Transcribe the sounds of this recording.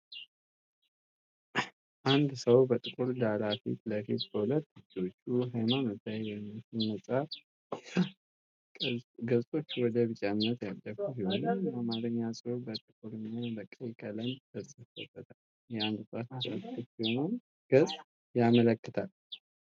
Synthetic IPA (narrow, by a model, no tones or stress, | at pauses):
ʔand̪səwbət̪ʼɨkʼuɾd̪alafḭt̪ləfit̪bəhulət̪ːɨd͡ʒo̞t͡ʃːuɦajmanɨzajjɛmːit͡ʃilnəsʼaf | ɡəzʼo̞t͡ʃːwɔd̪əβɨt͡ʃʼanːət̪jad̪ːəfusihonajamaɾɨɲːasʼɨɾubət̪ʼɨkʼuɾɨɲːabəkʼːəjkʼələɲd̪əsʼəfə̰bət̪ʰal | jɛand̪sʼat̪t͡ʃat̪əbiho̞nom | ɡ̥əzʼ | jamələkːət̪ʰal